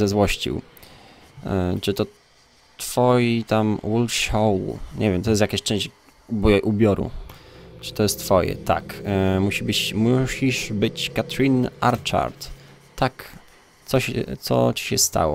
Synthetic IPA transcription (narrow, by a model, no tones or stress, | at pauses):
zɛzwɔɕt͡ɕḭw | t͡ʂɨt̪ɔ | t̪fɔjit̪amwulʂɔwɲʔɛvʲjɛmt̪ɔjɛs̬t̪jakaɕt͡ʂɛ̃ɲ̃ɕt͡ɕ | bɔʔubʲjɔɾṵt͡ʂɨ̥t̪ɔjɛst̪fɔjɛ̰t̪a̰kmuɕibɘt͡ɕmuɕiʐbɘt͡ɕkat̪ɾʲina̰ɾt͡ʂa̰ɾt̪ː | ak | t̪sɔɕɛ̰t̪sɔ̰t͡ɕi̥ɕɛst̪a̰wɔ̰